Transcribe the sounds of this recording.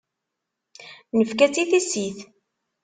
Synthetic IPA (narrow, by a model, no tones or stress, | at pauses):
nəfkæt͡siθisiθ